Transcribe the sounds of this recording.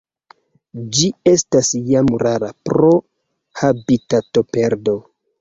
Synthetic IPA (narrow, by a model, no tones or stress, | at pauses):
d͡ʒie̞stasjamɾaɾapɾo̞ | habitato̞pe̞ɾdo̞